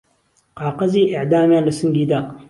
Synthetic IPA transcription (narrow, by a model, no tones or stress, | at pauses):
qɑːqɐziːʔɪʕd̪aːmjaːnlɐsɨŋɡiːd̪aː